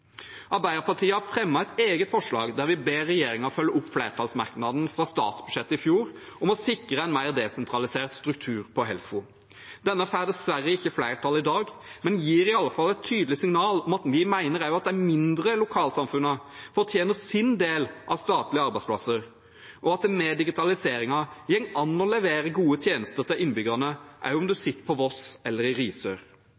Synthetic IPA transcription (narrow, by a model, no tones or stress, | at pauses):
ʔɑɾbæɪəɾpɑʁʈʰiːəhæɾfɾɛmːɑɛt̪eːɡət̪fɔʂlɑ̰ːɡd̪æɾʋɪbeːɾːɛjeːɾɪŋɑɔfœlːəʊpːflæɪɾt̪ʰɑlsmɑɾknɑd̪n̩fɾɑst̪ɑ̰ːt̪sbʉd̪ʂɛt̪ːəɪfjuːɾɔmɔsɪkɾəɛnmæɪʁd̪ɛsɛnt̪ʰɾɑlɪseːʁt̪st̪ɾʉk̚t̪ʰʉːɾpʰɔɦɛ̰lfʊ | d̪̥ɛnːəfæːɾd̪ɛsʋæɾːəɪçːəflæɪʁt̪ʰɑlːɪd̪ɑːɡmɛnjiːɾɪɑlːəfɑlːɛɪt̪ʰːyːd̪əlɪsɪŋnɑːlɔmɑt̪ʋɪmæɪnəɾæɾjʊɑt̪̚d̪ɛæmɪnd̪ɾəlʊkʰɑːlsɑmfʉnːəfɔɾt̪ʰjeːnəɾsɪnd̪eːlʔɑʋst̪ɑːt̪lɪəɑɾbæɪspʰlɑ̰səɾ | ʔɔɑt̪̚d̪ɛmɛːd̪ɪɡɪt̪ʰɑlɪseːɾɪŋɑjɛŋɑnːɔlɛʋeːɾəɡuːət̪ʰjeːnəst̪əɾt̪ʰɪlʔɪnːbʏɡɑnəʔæ̰ɾjʊɔmd̪ʉsɪt̪ːə̥ɾpʰɔʋɔsɛlːəɾɪɾiːsøɾ